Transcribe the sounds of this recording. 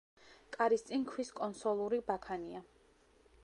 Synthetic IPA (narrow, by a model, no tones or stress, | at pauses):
kʼaɾist̪sʼinkʰwiskʼɔnsɔlˠuɾibakʰania